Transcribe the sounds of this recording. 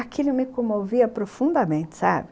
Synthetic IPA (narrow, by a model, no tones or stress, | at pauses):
akilʊmɪkõmoviɐpɾofũnd̪ɐmẽnt͡ʃɪ̥sa̰bɪ